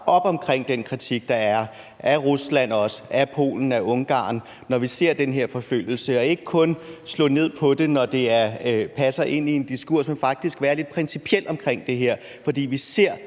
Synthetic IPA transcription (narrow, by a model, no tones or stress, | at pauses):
ɒ̽b̥ɒ̽mkʰʁeŋ̰d̥enkʰʁit͡sʰiɡ̥̚d̥ɑ̈æɐ | ʔæʁuslæn̰ɒ̽sə̥æpʰo̝̰ːln̩æʔɔ̽ŋɡ̥ɑ̰̈ːn | nɒʋise̝ɐ̰d̥enɦeɐ̰fɒ̽føl̰jl̩səɒ̽e̝ɡ̥əkʰɔ̽nslɔ̰̽ːne̝ð̰ˠpʰɒ̽d̥e̝nɒd̥e̝æɐpʰæsɐʔe̝n̰ie̝nd̥isɡ̥uɐ̰smenfɑ̈ɡ̥̚d̥isɡ̥ʋæːɐle̝d̥̚pʰʁɛnsipʰiel̰d̥ɒ̽mkʰʁeŋ̰d̥e̝ɦeɐ̰ | fɒ̽dḭːʋise̝ɐ̰